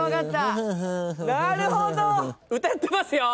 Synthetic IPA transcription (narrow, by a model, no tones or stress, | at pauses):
akat̪ːa | naɾɯ̟hod̪oɯ̟t̪ajt̪ːemasɨjo